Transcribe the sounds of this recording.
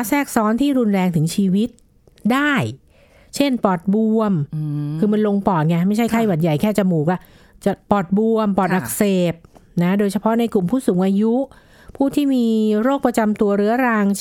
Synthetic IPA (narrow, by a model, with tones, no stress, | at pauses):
sɛː˥˩k̚sɔː˦˥nt̪ʰiː˥˩ɾu˧nɾɛː˧ŋt̪ʰɯ˩˦ŋt͡ɕʰiː˧wi˦˥t̪̚ | daː˥˩j | t͡ɕʰe˥˩npɔː˨˩t̪̚bu˧əmkʰɯː˧ma˧nlo˧ŋpɔː˨˩t̪̚ŋa˧˩ma˥˩jt͡ɕʰa˥˩jkʰa˥˩jwa˨˩t̪̚ja˨˩jkʰɛː˥˩t͡ɕa˨muː˨˩k̚ʔa˧˩ | t͡ɕa˨˩pɔː˨˩t̪̚bu˧əmpɔː˨˩t̪ʔa˨˧˩k̚seː˨˩p̚na˦˥doː˧jt͡ɕʰa˧pʰɔ˦˥na˧jklu˨˩mpʰuː˥˩suː˩˦ŋʔaː˧ju˦˥ʔ | pʰuː˥˩t̪ʰiː˥˩miː˧ɾoː˥˩k̚pɾa˧t͡ɕa˧mt̪u˧ɐɾɯ˦˥ɐɾaː˧ŋ